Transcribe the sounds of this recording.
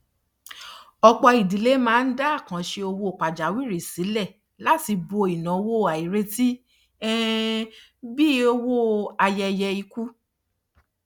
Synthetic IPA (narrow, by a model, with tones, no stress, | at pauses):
ɔ˧k͡pɔ˧i˨di˨˦le˨˦mãː˦˧n̩˦da˦˨kã˨˦ʃe˧o˧wo˧˨k͡pa˨d͡ʒa˨˦wi˦˨ɾe˨si˨˦lɛ˦˨ | la˦ti˧bo˧i˨nã˨o˧wo˦˨a˨i˨ɾe˧ti˦ | ɛ˦ | bi˦o˧wo˦a˧jɛ˧jɛ˧i˧ku˦